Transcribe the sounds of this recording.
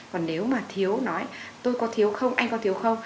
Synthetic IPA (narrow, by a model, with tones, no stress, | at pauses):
kɔ˨˩nːne˨˦wmaː˨˩t̪ʰi˨˦əwnɔ˨˦jt̪o˧jkɔ˨˦t̪ʰi˨˦əwxə˧wŋ͡mʔa˧jŋ̟kɔ˨˦t̪i˨˦əwxə˧wŋ͡m